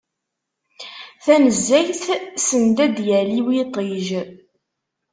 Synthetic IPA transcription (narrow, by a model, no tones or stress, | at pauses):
θænəzːæjθsənd̪æd̪jæliwit̪ˤiʒ